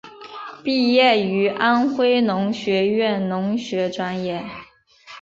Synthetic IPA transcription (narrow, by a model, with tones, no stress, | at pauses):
pi˥˧jɛ˥˩y˧˥ʔa˥nxwe˥ɪnʊ˧˥ŋɕɥɛ˧˥ɥɛ˥˩nnʊ˧˥ŋɕɥɛ˧˥ʈ͡ʂwa˥njɛ˥˩